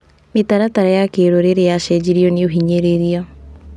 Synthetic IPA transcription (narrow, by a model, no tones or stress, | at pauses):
metaɾataɾajakeɾoɾeɾejaʃɛd͡ʑiɾiɔneoɦiɲeɾeɾiɔ